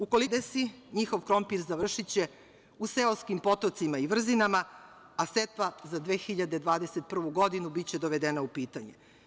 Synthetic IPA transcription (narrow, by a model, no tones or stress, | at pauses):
uko̞lid̪esiɲixo̞ʋkɾo̞mpiɾzaʋr̩ʃit͡ɕe̞ | useoskimpo̞t̪ot̪simaiʋr̩zinama | aset̪ʋazad̪ʋe̞ːxiʎad̪ed̪ʋaːd̪eset̪̚pr̩ʋuɡo̞d̪inubit͡ɕe̞d̪o̞ʋed̪enaupiːt̪aɲḛ